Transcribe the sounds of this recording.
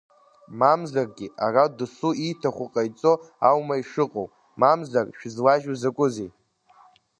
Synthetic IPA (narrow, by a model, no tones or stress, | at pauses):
mamzarɡʲɪʔaradsuitʰaχʷʊqʼajt͡sʼo̞awmaiʂɨqʼowp | mamzarʃᶣzlaʒuzakʷʼʊze